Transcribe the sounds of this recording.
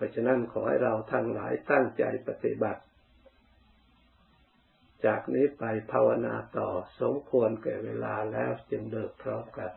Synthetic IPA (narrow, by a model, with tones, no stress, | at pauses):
pʰɔː˧˩t͡ɕʰa˧na˦˥˨nkʰɔː˩˦ha̰˧˩jɾa˧wt̪ʰa˧ŋlaː˨˦jt̪a˥˩ŋt͡ɕa̰˧jpa˧t̪i˨ba˨˩t̪̚ | t͡ɕaː˨˩k̚niː˦˥˨pa˧jpʰaː˧wa˧naː˧t̪ɔː˨˩so˨˦mkʰu˧ənkɛ̰ː˨˩weː˧laː˧lɛː˦˥˩wt͡ɕɯ˧ŋlɤː˨˩k̚pʰɾɔ˧˥˩mka˧˩